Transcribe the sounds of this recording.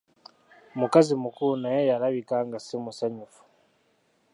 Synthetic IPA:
mukazimukuunajejaɾaβikaŋɡasimusaɲufu̥

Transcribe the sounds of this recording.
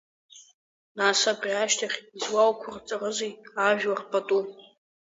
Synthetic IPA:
nasabrʲiaʃtʰaχʲizwawkʷʰʊrt͡sʼarɨzejaʒᶣwarpʰʼatʼu

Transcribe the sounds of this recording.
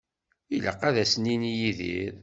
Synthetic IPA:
ilə̰qːæðæsəninijiðḭɾ

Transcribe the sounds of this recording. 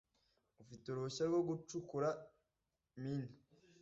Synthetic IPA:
ufitoɾoɕaɾɡoɡut͡ʃukuɾa | minu̥

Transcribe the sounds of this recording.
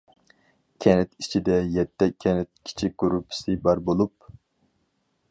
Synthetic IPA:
kʲʰɛnɛt̪it͡ʃʰid̪ɛjɛt̪ʰːɛkʲʰːɛnɛt̪̚kʲʰi̥t͡ʃʰiɡuɾupʰɪ̥sɨbɑɾbolˠup̚

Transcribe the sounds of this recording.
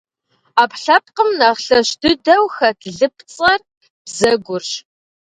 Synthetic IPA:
aːpɬɐp̚qəmnaʁɬɐʃdɨdɐwxɐtʰɮɨp̚ʰt͡sʼɐr | b̥zɐɡʷʊrɕ

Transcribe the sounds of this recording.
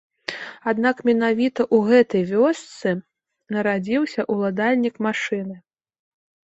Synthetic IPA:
ad̪nakmʲɛnavʲit̪ɐʔuɣɛt̪ɐjvʲɔst̪sɨ | nɐɾad͡zʲiwsʲɐʔulˠad̪alʲnʲikmaʂɨnɨ

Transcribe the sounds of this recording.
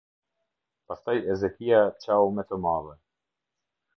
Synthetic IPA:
past̪ajɛzɛk̪ijat͡ʃawmɛt̪əmalɛ

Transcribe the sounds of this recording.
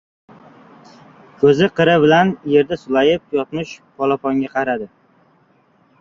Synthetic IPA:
kʰɵzɪqʰɨɾɪbɪlanje̞ɾd̪asʊlajɪp̚jɒt̪mɪʃpʰɒlˠapɒŋɡʲaqʰɑɾad̪ɪ

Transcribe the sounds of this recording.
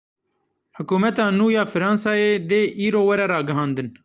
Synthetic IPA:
hʊkuːmɛt̪ɑːnuːjɑːfɪɾɑ̃ːnsɑːeːd̪eːʔiːɾoːwɐɾɛɾɑːɡɪɦɑ̃ːnd̪ɨn

